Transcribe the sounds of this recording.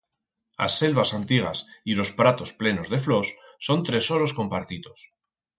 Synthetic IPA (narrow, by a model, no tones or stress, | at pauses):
a̰sːe̞lβasant̪iɣ̞a̰silo̞spɾat̪o̞sple̞no̞zðe̞flo̞sːo̞nt̪ɾe̞so̞ɾo̞sko̞mpaɾt̪it̪o̞s